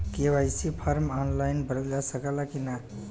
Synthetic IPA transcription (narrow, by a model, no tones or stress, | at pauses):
keʋajsipʰəɾmɔnlajnbəɾəd͡ʒasəkəlakina